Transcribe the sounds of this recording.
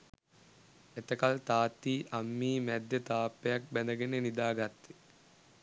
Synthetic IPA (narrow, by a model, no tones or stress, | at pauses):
et̪əkalt̪aːt̪ːiːʔamːiːmæd̪ːjet̪aːpːejak̚bænd̪ɐɡenenid̪aːɡat̪ːi̥